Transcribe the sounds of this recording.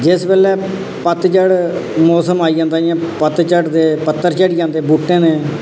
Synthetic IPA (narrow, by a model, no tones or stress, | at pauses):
d͡ʒɪsbɛːlɛː | pət̪t͡ʃəɽmɔːsəmaːiːd͡ʒãːnd̪aːjãːpət̪t͡ʃəɽd̪eːpət̪ːəɾt͡ʃɛɽiːd͡ʒãːnd̪eːbuʈːẽːneː